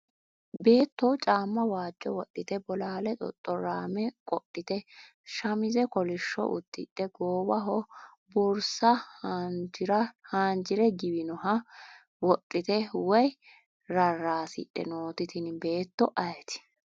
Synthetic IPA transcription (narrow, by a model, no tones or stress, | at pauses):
be̞ːt̪ːɔwt͡ʃʼaːmːɐwaːd͡ʒːɔwɔt̪ʼːɪt̪ɛbɔlaːlɛt̪ʼɔ̰t̪ʼːɔɾaːmɛkʼɔtʼːɪt̪ɛ | ʃɐmɪzɛkɔlɪʃːɔ̰ʔʊ̰t̪ːɪɗɛɡoːbɐɦɔ | bʊɾsɐ | ɾɐhaːnd͡ʒɪɾɛɡɪbɪnɔɦɐ | wɔt̪ʼːɪt̪ɛwɔj | ɾɐrːaːsɪ̰ᶑʼɛ̰noːt̪ɪt̪ɪnbe̞ːt̪ːɔʔɐjɛt̪ɪ̥